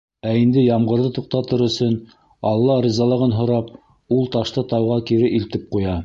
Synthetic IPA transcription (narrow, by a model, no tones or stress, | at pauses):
æind̪ɘjɑmʁɤ̆ɾðɤt̪uq̚t̪ɑt̪ɤɾɵ̆sɵn | ɑlˠːɑɾizɑlˠɤ̆ʁɤnɦŏɾɑp̚ | ulˠt̪ɑʃt̪ɤt̪ɑwʁɑkiɾɘʔilt̪ɘp̚qujɑ